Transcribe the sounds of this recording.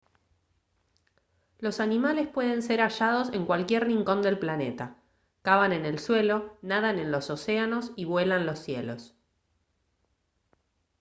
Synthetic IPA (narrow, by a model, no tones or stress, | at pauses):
lo̞sanimale̞spwe̞ð̞e̞nse̞ɾaʃað̞o̞se̞ŋkwalkjerriŋko̞nd̪e̞lplane̞t̪a | kaβane̞ne̞lswe̞lo̞naðanẽ̞nlo̞so̞seano̞siβwe̞lanlo̞sːje̞lo̞s